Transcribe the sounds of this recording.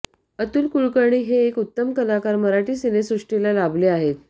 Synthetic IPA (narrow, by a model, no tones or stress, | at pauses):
ət̪uːlkuɭkəɾɳiːɦeːkut̪ːəmkəlakaɾməɾaʈiːsinesɾuʂʈilalableaɦet̪